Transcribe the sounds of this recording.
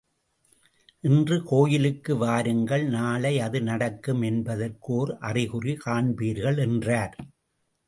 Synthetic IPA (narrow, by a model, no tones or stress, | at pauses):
ʔɪndrɯkoːjɪlɯkːɯʋaːɾɯŋɡɐɭnaːlɐɪɐðɯnɐɽɐkːɯmɛnbɐðɐrkoːrʔɐrɪɣɯrikaːɳbiːɾɣɐɭɛndraːɾ